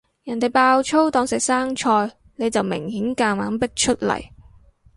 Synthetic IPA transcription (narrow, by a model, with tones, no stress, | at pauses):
jɐ˨˩nt̪e˨˩jpaː˧wt͡ʃʰo˥wt̪ɔː˨˧ŋsɛː˨k̚saː˥ŋt͡ʃʰɔː˧j | ne˨˧jt͡sɐ˨wmɪ̰˨˩ŋhiː˨˥nkaː˧ŋmaː˨˥npɪ˥k̚t͡ʃʰɵ˥t̚lɐ̰˨˩j